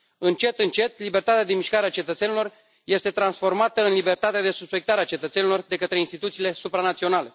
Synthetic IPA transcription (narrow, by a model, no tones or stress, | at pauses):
ɨnt͡ʃe̞t̪ɨnt͡ʃe̞t̪libe̞rt̪at̪ead̪e̞miʃkaɾeat͡ʃe̞t̪ət̪se̞nilo̞r | je̞st̪e̞t̪ɾansfo̞rmat̪əɨnlibert̪at̪ead̪e̞suspe̞k̚t̪aɾeat͡ʃe̞t̪ət̪se̞nilo̞rd̪e̞kət̪ɾe̞inst̪it̪ut̪siːle̞supɾanat̪sio̞nale̞